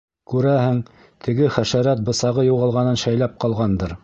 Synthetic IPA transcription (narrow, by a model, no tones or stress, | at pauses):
kʉɾæhɘŋ | t̪ʰɘ̆ɡɘχæʃæɾæt̪̚bɤ̆sɑʁɤjuʁɑlˠʁɑnɤnʃæjlæp̚qɑlˠʁɑnd̪ɤɾ